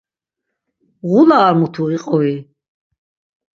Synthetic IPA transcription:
ʁulaːɾmut̪ʰuiqʼɔi

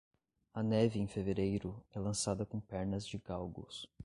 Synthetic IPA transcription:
ɐnɛvɪẽfeveɾejɾʊɛlɐ̃sad̪ɐkõpɛɾnɐzd͡ʒɪɡawɡʊ̰s

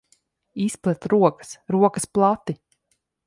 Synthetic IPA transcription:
isplˠɛt̪ɾuɔkə̥sɾuɔkəsplˠat̪i

